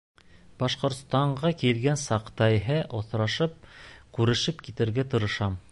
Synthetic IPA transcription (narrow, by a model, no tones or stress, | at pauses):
bɑʃqŏɾt̪st̪ɑɴɢɑkilɡænsɑqt̪ɑjɦɤʔŏθɾɑʃɤp̚kʉɾɘ̆ʃɘpkit̪ɘ̆ɾɡæt̪ŏɾɤ̆ʃɑm